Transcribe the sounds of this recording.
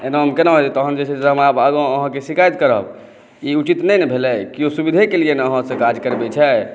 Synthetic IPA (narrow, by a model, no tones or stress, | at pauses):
enaɦəmkenaɦot̪it̪əkʰənd͡ʒet͡ʃʰɛseɦəmabaɡõəɦə̃kesikajt̪kəɾəb | iut͡ʃit̪nɛjnɛbʱelɛkiosubid̪ʱekelienəɦə̃sẽkad͡ʒkəɾbɛt͡ʃʰɛ